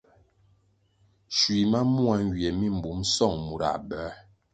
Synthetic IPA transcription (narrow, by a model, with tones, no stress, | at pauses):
ʃwi˨ma˦mu˦a˦ŋ˦˨ɡjɛ˨mi˦˨m̩˨bu˨˦msɔ˦˨ŋmu˨ɾa̰˨ʔbɛ˨˦